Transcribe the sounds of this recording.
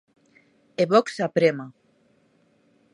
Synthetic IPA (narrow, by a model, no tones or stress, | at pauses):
eβɔksapɾema